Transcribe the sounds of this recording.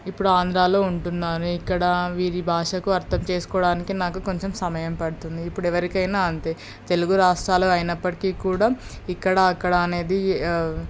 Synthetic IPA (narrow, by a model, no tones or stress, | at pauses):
ipːuɽuaːnd̪ɾaːlo̞ːuɳʈunːaːɾuikːɐɽɐʋiːɾibʱaːʂɐkuɐɾt̪ʰɐmt͡ʃe̞ːsu̥kɔːɽaːnikinaːkuko̞ɲt͡ʃe̞msɐmɐjɐmpɐɽut̪und̪iːpːuɽɛʋɐɾikɐjnaːɐnt̪eː | t̪e̞luɡuɾaːʂʈɾaːloːɐjinɐpːɐʈikiːkuːɽaː | ikːɐɽɐːkːɐɽɐːne̞ːd̪i